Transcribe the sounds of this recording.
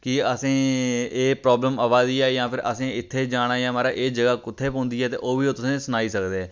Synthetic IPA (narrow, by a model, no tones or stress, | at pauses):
kɪəsẽːeːpɾɔːbləməʋaːziːaːjãːpʰɪɾʔə̰sẽːɪt̪ʰːeːd͡ʒaːɽaːjãːmaːɾaːʔeːd͡ʒəɡaːkʊt̪ʰːeːpõːnd̪iːɦɛːt̪ḛːʔoːʋiːoːt̪ʊsẽːsənaːiːsəkd̪eːɛː